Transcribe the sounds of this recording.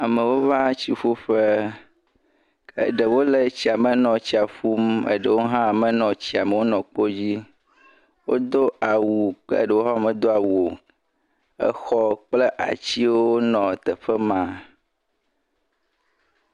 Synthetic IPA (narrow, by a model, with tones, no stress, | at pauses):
a˨mə̃˨wo˦va˦t͡ɕi˨fo˦ɸe˦ | ḛ˨ɖə˨wo˦le˨t͡ɕi˨˦a˨mə˨nɔ̃˨t͡ɕi˦a˨fu˦mə̰˦˨ɖə˨wo˦ɦã˦a˨mə˨nɔ̃˨t͡ɕi˦a˨mə˨wo˦nɔ̃˨k͡po˦d͡ʑi˦ | wo̰˦d̪o˦ʔa˨wu˨ə̰˦ɖə˨wo˦ɦɔ˦a˨mə̃˨d̪o˦a˨wo˨ | ə̰˦xɔ˦k͡ple˦ʔa̰˨t͡ɕi˦wo˦wo˦nɔ̃˨t̪ə˨ɸə˦mã˦